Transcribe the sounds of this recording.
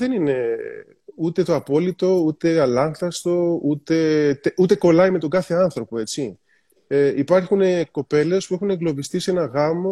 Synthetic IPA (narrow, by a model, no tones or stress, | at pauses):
ðe̞nine̞ | ut̪e̞t̪o̞ɐpo̞lit̪o̞ut̪e̞ɐlɐŋxθɐst̪o̞ut̪e̞t̪eut̪e̞ko̞lɐime̞t̪o̞ɡɐθe̞ɐnθɾo̞po̞e̞t͡si | eipɐɾxuneko̞pe̞le̞spue̞xune̞ŋɡlo̞vist̪ise̞nɐɣɐmo